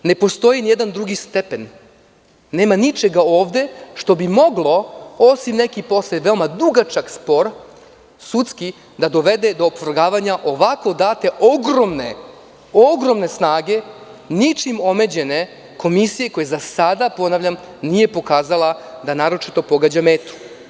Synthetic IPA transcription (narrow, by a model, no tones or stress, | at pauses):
ne̞po̞st̪o̞jinijed̪and̪ɾuɡist̪e̞pe̞nː | e̞ːmanit͡ʃe̞ɡao̞ːʋd̪e̞ʃt̪o̞bimo̞ɡlˠo̞o̞simne̞kipo̞sleʋe̞omad̪uɡat͡ʃaɡspo̞ɾ | sut̪ski | d̪ad̪o̞ʋe̞d̪e̞d̪o̞ːpʋɾɡaːʋaɲaʔo̞ʋako̞d̪aːt̪e̞ʔoɡɾomne | oɡɾo̞mne̞snaːɡe̞nit͡ʃimo̞me̞d͡ʑe̞ne̞ | ko̞misije̞ko̞jezasad̪apo̞naʋʎam | nije̞po̞kaːzalˠad̪anaːɾo̞t͡ʃit̪o̞po̞ɡaːd͡ʑameːt̪u̥